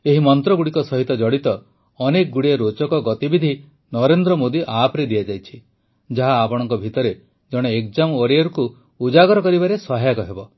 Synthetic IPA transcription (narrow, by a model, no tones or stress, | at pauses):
eɦimɔnt̪ɾɔɡuɽikɔsɔɦit̪ɔd͡ʒɔɽit̪ɔː | nekɔɡuɽiaɾot͡ʃɔkɔɡɔt̪ibid̪ʱi | nɔɾend̪ɾɔmod̪iʔapɾed̪iad͡ʒajt͡ʃʰi | d͡ʒaɦaːpɔɽ̃ɔ̃ŋkɔbʱit̪ɔɾe | d͡ʒɔɽ̃eekd͡ʒamoɾijɔɾuku | ud͡ʒaɡɔɾɔkɔɾibaɾesɔɦajakɔɦebɔ